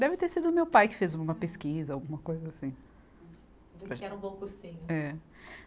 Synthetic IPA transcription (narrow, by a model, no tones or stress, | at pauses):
d̪ɛvɪt̪eɾsid̪ʊːmewpajkɪ̥fezũũmɐpeskizɐawɡũmɐkojzɐasĩ | pɾɐʒɪɛɾɐũbõkuɾsĩɲʊɛ